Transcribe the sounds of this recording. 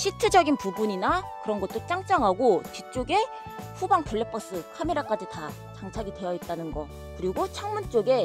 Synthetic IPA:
ɕʰitʰɯd͡ʑʌɡinpubuɲinakɯɾʌnɡʌt̚t͈ot͡ɕ͈aŋt͡ɕ͈aŋɦaɡot͡ɕit͡ɕ͈oɡe̞ | ɸubaŋpʰɯɭːe̞p͈ʰʌs͈ɯkʰame̞ɾak͈ad͡ʑita | t͡ɕaŋt͡ɕʰaɡidwe̞jʌit̚t͈anɯnɡʌ | kɯɾiɡot͡ɕʰʌŋmunt͡ɕ͈oɡe̞

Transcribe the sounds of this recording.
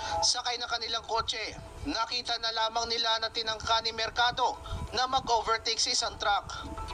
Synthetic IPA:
sɐkɐjnɐkɐnɪlaŋko̞t͡ʃɛ | nɐkiːt̪ɐnɐlaːmɐŋnɪlanɐt̪ɪnɐŋkanɪmɛɾkaːd̪o̞nɐmɐɡʔoːvɛɹt̪iksɐɪsaŋt̪ɾak

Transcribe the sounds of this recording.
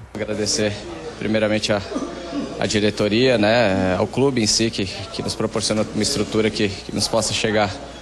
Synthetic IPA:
aɡɾad̪eseɾ | pɾḭmejɾɐmẽnt͡ʃɪɐ | ɐ̰d͡ʒiɾet̪oɾiɐnɛa̰wklubɪẽj̃sikɪkɪnʊspɾopoɾsiõnɐũmɐɪst̪ɾut̪uɾɐkɪkɪnʊspɔsɐʃeɡaɾ

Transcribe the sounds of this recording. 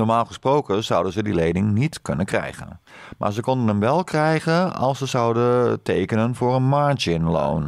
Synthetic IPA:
nɔɹmaːlˠχəsprowkəz̥ʌwdəzədilejdɪŋnitkønənkrɛ̰jɣə̰nmʔa̰ːɹzəkɔndənəmʋɛlˠkrɛjɣənɑ̰lˠsəzɑwdətʰejkənənvʊːrənmaɹd͡ʒɪnlo̰ːn

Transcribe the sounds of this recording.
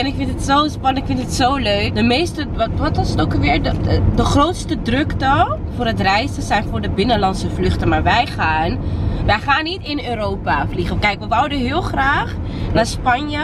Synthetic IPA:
ɛnɪkfɪntətsowspɑnɪkfɪntətsowløɥkdəmejstəʋɔtɔsətowkəʋɪːɹdədəχrowtstədrɵktɔlˠfʊːɹɦətrɛjstəsɛjnfʊːɹdəbɪnənlɑnsəvlɵχtəmaːɹʋɛjχaːnʋɛjχaːnːitɪnøːɾowpafliχəkɛjkʋəʋɔwdəɦɪːlˠχraːχ | naːɹspɑnjə

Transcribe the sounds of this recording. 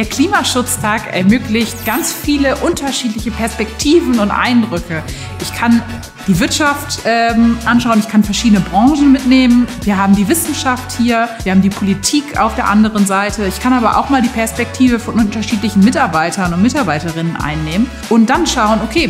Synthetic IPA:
d̥eːɐkʰl̥iːmaʃʊt͡stʰaːkʔɛ̰ɐmøːklɪçt̚ɡ̥ant͡sfiːləʔʊntʰɐʃiːtlɪçəpʰɛɐspɛk̚tʰiːvn̩ʊntʔa̰ɪndʁʏkʰə | ʔɪçkʰan | d̥iːvɪɐtʃaftʔɛmʔanʃ̬aʊənɪçkʰanfɛɐʃiːdənəbʁɑŋʒn̩mɪtneːmənviːɐhaːbm̩diːvɪsn̩ʃafthiːɐv̥iːɐhaːm̩diːpʰolitʰiːkʰa̰ʊfd̥eːɐʔandəʁənzaɪtʰəɪçkʰanaːbɐʔa̰ʊxmaːldiːpʰɛɐspɛk̚tʰiːvəfɔnʔʊntɐʃiːtlɪçn̩mɪtaɐbaɪtʰɐnʊntmɪtaɐbaɪtəʁɪnənʔa̰ɪnːeːmən | ʔʊnt̚d̥anʃaʊənokʰeː

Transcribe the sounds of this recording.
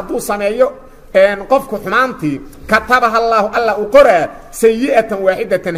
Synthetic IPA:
hɐd̪uːsɐmɛːjɔ | ɛːnqɔfkʰʊħʊmaːnt̪ʰɪ | kʰɐt̪ʰɐbɐɦɐlːɑːhʊʔɐlːaːʊqɔɾaː | sɛjjɪʔɐt̪ʰɐnwɑːħɪd̪ɐt̪ʰɐn

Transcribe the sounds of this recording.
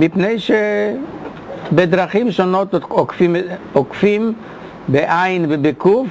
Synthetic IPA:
mipneɪʃɛ | bɪdɾaχimʃɔnɔtɔkfimɔkfim | bɪʔaɪnvɪbɪkuf

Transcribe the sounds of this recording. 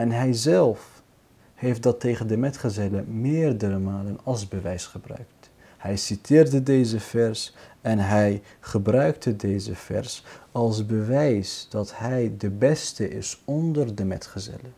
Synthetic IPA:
ɛnɦɛjzɛlˠf | hejft̚dɑtejχəndəmɛtχəzɛləmɪːrdəɾəmaːlənɑlˠzbəʋɛjsχəbrœ̰ɥkt | hɛjsitʰɪːrdədejzəvɛɹsɛnɦɛj | χəbrœɥktədejzəfɛ̰rsɑlˠzbəʋɛjsd̥ɑtɦɛjdəbɛstəʔɪsɔndərdəmɛ̰tχəzɛ̰lə

